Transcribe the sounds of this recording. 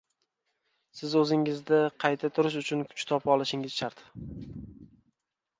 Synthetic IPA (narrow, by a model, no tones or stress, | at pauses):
sɪzɵzɪŋɪzd̪ɪqʰɑjt̪ʰat̪ʰʊɾɪʃ̬ʊt͡ʃʰʊnkʰʊ̥t͡ʃt̪ʰɒpʰɒlˠɪʃɪŋɪz̥ʃaɾt̪